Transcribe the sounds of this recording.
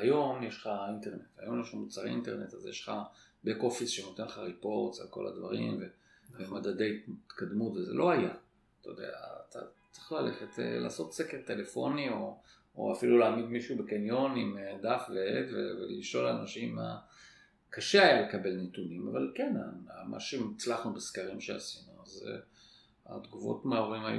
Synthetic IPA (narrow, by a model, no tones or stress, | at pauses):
ajo̞mjeʃχaint̪eʁne̞tajo̞mjeʃχamut͡saʁḭnt̪e̞ʁne̞tazjḛʃχa̰ | beko̞fisʃeno̞t̪enleχaʁipo̞ʁt͡salko̞la̰d̪va̰ʁḭmve | vemad̪ade̞jt̪kad̪mutvezelʔo̞aja̰ | t̪ajod̪ea̰ːt̪a̰t͡se̥χlale̞χet̪ḛla̰ːso̞tsekeʁt̪e̞le̞fo̞nio̞ | o̰afilulaːmid̪miʃubekenjo̞nimed̪afveevḛvḛliʃo̞lanaʃima̰ | kaʃeajale̞kabe̞lnetunima̰valkena̰ama̰ʃemit͡slaχnubeskaʁimʃea̰sinuazḛ | a̰d̪ɡuvo̞̰tmaoʁima̰ju